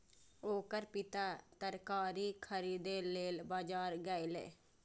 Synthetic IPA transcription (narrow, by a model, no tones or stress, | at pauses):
oːkəɾpɪt̪aːt̪əɾkaːɾiːkʰəɾiːd̪eːleːlbaːd͡ʒaːɾɡəilḛː